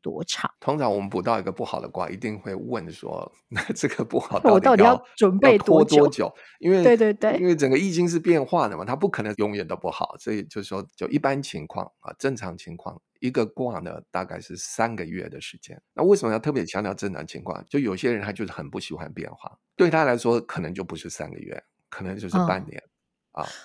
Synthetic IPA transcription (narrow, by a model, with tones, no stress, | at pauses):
t̪wɔ̰˥ʈ͡ʂʰɑ̰˨˩˦t̪ʰʊ˥ŋʈ͡ʂʰɑ˧˦ŋwɔ˨˩mə˦npu˨˩t̪ɑ˥˩ʊi˧˥ɡə˧pu˥˩xɑ̰˨˩ʊd̪ə̰˦kwa̰˥˧ʔḭ˧˥t̪i˥˧ŋxwe˥˧ɪwə̰˥˩nʂwɔ̰˥˧ | ʈ͡ʂɤ˥˩ɡə˩pu˥˩xɑ˨˩ʊt̪a˥˩wt̪ɑ˥˩ʊti˨jɑ˥ʊʈ͡ʂə˨˩ne˥˧˩ɪt̪ʰwɔ˥t̪wɔ˥˦t͡ɕjo̰˨˩˦ʊ | i˥nwe˥˩ɪwe˥˧ɪt̪we˥˧ɪwe˥˩iɪ˥nwe˥˩ɪʈ͡ʂə˨˩ŋɡə˦i˥˩t͡ɕi˥ŋʂ̬ɻ̩˥˧pjɛ˥˧nxwa˥˩d̪ə˩mɐ˩t̪ʰa˥p̬u˥˩kʰɤ˨˩nə˧˥ŋjʊ˧˥ŋɥɛ˨˩nt̪o˥ʊpu˥˩xɑ̰˨˩˦ʊswɔ˧˥i˨˩t͡ɕjo˥˧ʊʂɻ̩˥˩ʂwɔ˥t͡ɕjo˥˩ʊʔi˥˩pa˦nt͡ɕʰi˧˥ŋkʰwɑ̰˥˩ŋɐ̰˨˩ʈ͡ʂə˥˩ŋʈ͡ʂʰɑ˧˥ŋt͡ɕʰi˧˥ŋkʰwɑ̰˥˩ŋ | i˧˥ɡə˧kwɑ˥˩ŋd̪ə̰˩t̪a̰˥˧ka˥˧ɪʂɻ̩˥˩sa˦˥nɡə˨ɥɛ̰˥˩d̪ə˩ʂɻ̩˧˩t͡ɕjɛ̰˥nna˥˧we˥˩ʂə˧˦mə˦jʊt̪ʰpjɛ˧˥t͡ɕʰjɑ˧˥ŋt̪jɑ˥˧ʊʈ͡ʂɤ˥˩nʰɑ̰˨˥˩ŋt͡ɕʰḭ˧˥ŋkʰwɑ̰˥˧ŋt͡ɕjo˥˩jo˨˩i˥ɕjɛ˥ɻə˧˦nt̪ʰa˥t͡ɕjo˥˧ʊʂ̩˥˩xə˨˩npu˥˩ɕi˨˩xwa̰˧˦npjɛ̰˥˧nxwa̰˥˩t̪we˥˩ɪt̪ʰa˥la˧˥ɪʂwɔ˥kʰɤ˨˩nə˧˥ŋt͡ɕjo˥˩ʊpu˧˦˥ʂɻ̩˥˩sa̰˥nɡə̰˩ɥɛ̰˥˩ | kʰɤ˨˩nə˧˥ŋt͡ɕjo˥˧ʊʂɻ̩˥˧˩pa̰˥˩nnjɛ̰˧˦n | ɐ̰˨˩